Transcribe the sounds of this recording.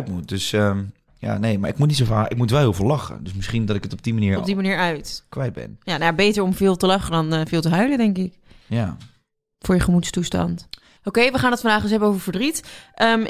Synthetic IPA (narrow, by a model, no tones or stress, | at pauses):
tmut̚døsə | ja̰nejmaɹɪ̰kmutnitsofaːʔɪk̚mutʋɛlˠhivlɑχə̰døsmɪsχindɔtɪkətɔb̚dimaniːɹɔbbdimaniːɹœɥtkʋɛjd̚bɛ̰njanajabejtəɹɔmvɪːlˠtəlɑχədɔnvɪːlˠtəɦœɥlədɛŋkɪkja | fʊːɹjəχəmutstustɑ̰nt | okejʋəχaːnətfɑndaːχdəs̬ɦɛbənowvəɹfəɹdritʔəm